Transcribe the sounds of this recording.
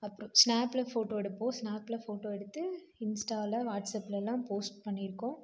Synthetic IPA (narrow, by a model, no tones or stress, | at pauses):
ɐpːɯɾɔ̃snaːplɐfoːʈoːɛɽɯpːoːsnaːpːlɐfoːʈoːɛɽɯt̪ːɯ | ɪnsʈaːlɐʋaːʈsɐpːlɛlːãːpoːsʈ̚pɐɳːɪɾɯkːʊ̃